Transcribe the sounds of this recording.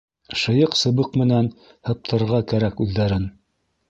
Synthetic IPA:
ʃɤ̆jɤqsɤ̆βɤqmɘ̆næn | hɤ̆p̚t̪ʰɤ̆ɾʁɑkæɾækʉðːæɾɘn

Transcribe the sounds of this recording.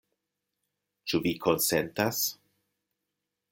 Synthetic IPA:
t͡ʃuvikʰonsentas

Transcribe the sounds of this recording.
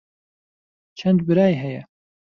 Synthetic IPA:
t͡ʃʰɛnd̪bɨɾaːjɦɛjɛ

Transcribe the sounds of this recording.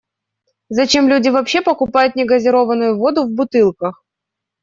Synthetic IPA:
zɐt͡ɕemlʲudʲɪvɐpɕːepəkʊpajʊt̪nʲɪɡəzʲɪɾo̞vənʊjʊvo̞d̪ʊvbʊt̪ɨlˠkəx

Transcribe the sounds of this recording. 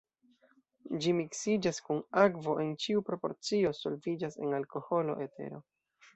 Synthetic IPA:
d͡ʒimiksid͡ʒaskunakvo̞ʔe̞nt͡ʃiupɾo̞po̞̰ɾt͡sio̞so̞lvid͡ʒase̞nalko̞ho̞lo̞̰ʔe̞tʰe̞̰ɾo̞

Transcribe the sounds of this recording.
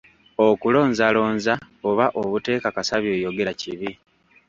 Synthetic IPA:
okulo̞ːnɲzalo̞ːnza | oβaʔoβute̞ːkakasaβjo̞ːjo̞ɡe̞ɾaciβi

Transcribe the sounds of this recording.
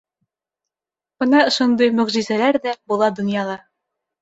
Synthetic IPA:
bɤ̆nɑŏʃŏnd̪ɤjmɵ̆ʁʑizælæɾd̪æbulˠɑd̪ɵ̆njɑlˠɑ

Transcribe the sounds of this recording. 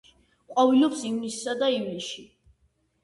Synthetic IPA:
qʼɔvilɔpsimnisːad̪aimɛʃi

